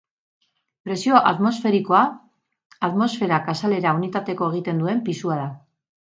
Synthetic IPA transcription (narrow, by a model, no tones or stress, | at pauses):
pɾe̞sio̞ʔa̰t̪mo̞sfe̞ɾiko̞a | at̪mo̞sfe̞ɾakasale̞ɾaunit̪at̪e̞ko̞e̞ɣ̞it̪e̞nd̪ue̞mpisuaða